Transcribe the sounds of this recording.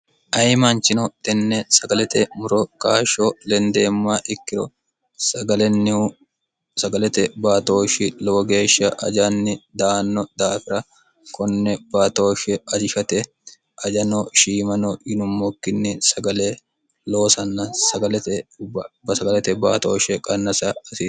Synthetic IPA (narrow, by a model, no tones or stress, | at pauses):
ʔɐjmant͡ʃɪnɔt̪ɛnːɛsɐɡɐlɛt̪ɛmʊɾɔkaːʃoːlɛnd̪eːmːaːʔɪkːɪɾɔ | sɐɡɐlɛn | sɐɡɐlɛt̪ɛbaːt̪o̞ːʃɪloːɡe̞ːʃːɐʔɐ̰d͡ʒɐnːɪd̪aːnːɔd̪aːfɪɾɐ | kɔnːɛbaːt̪oːʃɛɐd͡ʒɪʃɐt̪ɛ | ɐd͡ʒɐnɔʃiːmɐnɔjɪnʊmmɔkːɪnːɪsɐɡɐle | lo̞ːsɐnːɐsɐɡɐlɛt̪ɛbɐsɐɡɐlɛt̪ɛbaːt̪o̰ːʃɛkʼɐnːɐsɐɐɪ